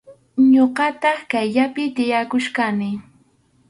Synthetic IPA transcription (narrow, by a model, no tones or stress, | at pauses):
ɲoqɑt̪ɑχkajʎapɪt̪ɪjakʊʃkanɪ